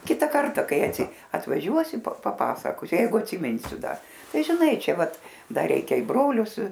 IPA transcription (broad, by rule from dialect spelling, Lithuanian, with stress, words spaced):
ˈkʲɪtɐ ˈkɐrtɐ ˈkɐɪ ɐtʋɐˈʒʲuɔsʲɪ pɐ pɐˈpɑːsɐkoːsʲʊ ˈjɛɪɡʊ ɐtʲsʲɪˈmʲɪnʲsʲʊ ˈdɐ ˈtɐɪ ʒʲɪˈnɐɪ ˈt͡ʃʲɛ ˈʋɐt ˈdɐr ˈrʲɛɪkʲɛ ɪ ˈbroːlʲʊs